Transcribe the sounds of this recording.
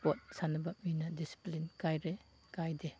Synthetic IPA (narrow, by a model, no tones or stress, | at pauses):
pɔt̚sanɐbap̚minadisi̥plinkajɾe | kajde